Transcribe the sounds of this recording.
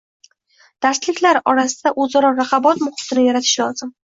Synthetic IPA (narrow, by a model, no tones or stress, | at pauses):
d̪̥aɾslɪkʲlaɾɒɾasɪd̪aʔɵzaɾɒɾaχɑbɒt̪mʊχɪ̥t̪ʰɪnɪjaɾat̪ʰɪ̥ʃlɒzɪm